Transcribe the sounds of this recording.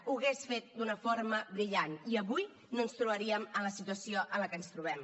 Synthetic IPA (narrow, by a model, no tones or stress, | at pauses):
uɣesfet̪̚d̪unəfoɾməbɾiʎaniəβuj | noənst̪ɾuβəɾiəmələsit̪uəsioʔələkənst̪ɾuβɛm